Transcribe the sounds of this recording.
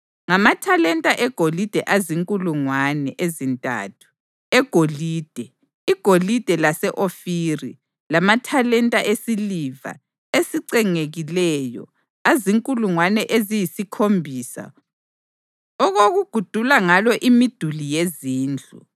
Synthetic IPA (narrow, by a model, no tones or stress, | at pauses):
ŋamatʰalɛntʼaʔɛɡ̥ʱolid̥ʱɛʔaziŋkʼuluŋwanɛʔezintʼa̰tʰu̥ | ɛɡ̥ʱoliːd̥ʱɛ | iɡ̥ʱolid̥ʱɛlasɛʔofiːri | lamatʰalɛntʼaʔesiliva̰ | esiǀɛŋeɣilɛːjɔ̰ | aziŋkʼuluŋwanɛʔezijisikʰombʱiːsa̰ | ɔɣoɣuɡ̥ʱud̥ʱulaŋalɔʔimid̥ʱulijeziːnd͡ɮʱṵ